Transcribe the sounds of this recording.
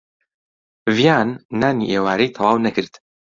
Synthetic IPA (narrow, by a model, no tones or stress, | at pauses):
vijaːnːaːniːʔeːwaːɾejt̪ʰɑwɑːwnɐkʰɨɾd̪̥